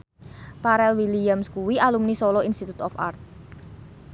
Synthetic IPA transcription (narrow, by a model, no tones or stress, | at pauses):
paɾɛlwilijamskuwialumnisɔlɔinst̪it̪ut̪ɔfa̰rt̪̚